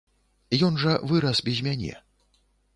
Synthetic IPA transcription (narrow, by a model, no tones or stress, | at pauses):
jɔnʐɐvɨɾɐsbʲɛzʲmʲanʲɛ̰